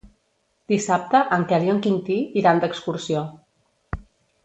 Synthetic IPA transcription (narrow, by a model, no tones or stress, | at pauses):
d̪̥isap̚t̪əʔəŋkɛljoŋkint̪iiɾand̪əkskuɾsio